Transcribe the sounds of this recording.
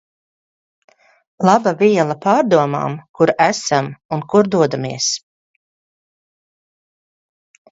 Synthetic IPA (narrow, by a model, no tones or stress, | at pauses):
lˠɑbaviɛlˠɐpaːɾd̪uɔma̰ːmkuɾæsamunkuɾd̪uɔd̪amiɛs